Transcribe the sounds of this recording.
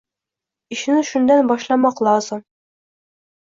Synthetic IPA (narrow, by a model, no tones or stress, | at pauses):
iʃɘ̆nɘʃund̪ænbɒʃlˠɑmɑqlˠɑzɤɴ